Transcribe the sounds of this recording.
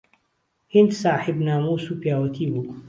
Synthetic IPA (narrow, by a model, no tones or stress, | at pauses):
hind̪saːħibnaːmusupjaːwɐt̪ʰiːbu